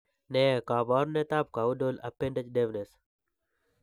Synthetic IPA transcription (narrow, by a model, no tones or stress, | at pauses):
neːkaːbaːɾneːt̪aːp̚kaːudoːlɐ̰pẽːɳɖət͡ʃɗeːʋnes